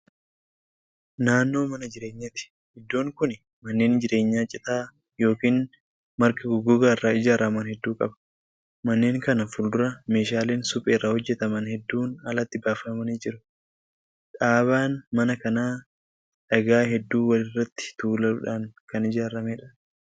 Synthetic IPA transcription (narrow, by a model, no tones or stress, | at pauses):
naːnːo̞ːmɐnɐd͡ʒɪɾe̞ːɲːɐt̪ɪ̥ | hɪd̪ːo̞ːŋkʊn | mɐnːe̞ːnd͡ʒɪɾe̞ːɲːaːt͡ʃʼɪt̪aː | jo̞ːkiːn | mɐɾkɐɡʊɡʊɡaːɪrːaːɪd͡ʒaːɾɐmaːnhɛd̪ːuːkʼɐbɐ̥ | mɐnːe̞ːŋkɐnɐfʊld̪ʊɾɐme̞ːʃaːleːnsʊpʼeːrːaːhɔd͡ʒːɛt̪ɐmɐnhɛd̪ːuːnɐlɐt̪ːɪbaːfɐmɐniːd͡ʒɪɾʊ̥ | ᶑaːβaːnmɐnɐkɐnaː | ᶑɐɡaːɦɛd̪ːuːwɐlɪrːɐt̪ːɪ̥t̪uːlɐʊ̰ᶑaːŋkɐnɪd͡ʒaːɾɐmeːᶑɐ̥